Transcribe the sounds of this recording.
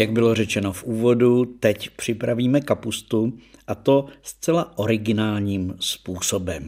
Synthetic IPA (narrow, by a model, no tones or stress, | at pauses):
jaɡbɪlo̞rɛt͡ʃɛno̞fʔuːvo̞dut̪ɛcpr̝̥ɪpɾaviːmɛkapust̪uʔat̪o̞st͡sɛlaʔo̞ɾɪɡɪnaːlɲiːmspuːso̞bɛm